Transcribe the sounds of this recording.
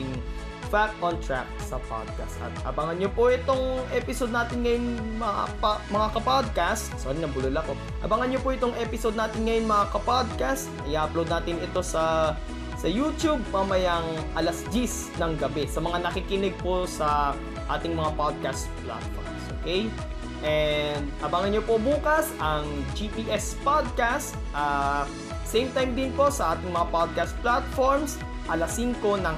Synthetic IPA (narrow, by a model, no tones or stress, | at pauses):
ɪŋ | fak̚t̪ʔont̪ɹa̰k̚sɐpa̰d̪̚ka̰st̪ʔɐ̰t̪ʔɐ̰bɐŋɐnɲopoʔɪt̪o̞ŋʔɛpɪsod̪naːt̪ɪnŋɐjoŋmɐapmɐŋakɐpod̪̚kast̪̚soːnɪnɐbʊlʊlɐko̞ | ʔɐ̰bɐŋɐnɲopoʔɪt̪oŋʔɛpɪsod̪naːt̪ɪnŋɐjoŋmɐŋakɐpad̪̚kast̪̚ɐjaʔɐplod̪naːt̪ɪnɪt̪o̞sɐ | sɐjuːt̪jub̚pɐmɐjɐŋ | ʔɐlɐsd͡ʒis | nɐŋɡɐbɛsɐmɐŋanɐkikɪnɛɡ̚posɐ | ʔaːt̪ɪŋmɐŋapad̪̚kast̪pla̰t̪̚fo̰ɹmsʔo̰ːkɛj | ʔɛnd̪̚ɐbaŋɐnɲopobuːkɐsʔɐŋd͡ʒipiːʔɛspod̪̚kast̪̚ʔa | sejmt̪ajmd̪ɪnpo̞sɐʔaːt̪ɪŋmɐŋapad̪̚kast̪̚plat̪foɹms | ʔɐlasiŋko̞nɐŋ